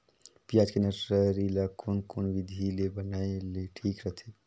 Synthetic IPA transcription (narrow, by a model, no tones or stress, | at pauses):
pijad͡ʒkenasɾəɾilakonkonʋid̪ʱilebənaeleʈʰiːkɾəɦt̪ʰi